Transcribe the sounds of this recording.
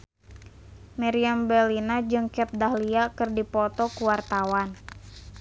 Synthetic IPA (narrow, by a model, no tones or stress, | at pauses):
mɛɾiambɛlinad͡ʒɨŋkɛp̚dahliakɨrdipɔt̪ɔkuwart̪awan